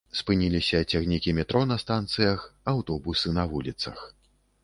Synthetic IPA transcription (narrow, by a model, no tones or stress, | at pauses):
spɨnʲilʲisʲɐt͡sʲaɣnʲikʲimʲɛt̪ɾʔɔnɐst̪ant̪sɨjɐxawt̪ɔbusɨnɐvulʲit̪sɐ̰x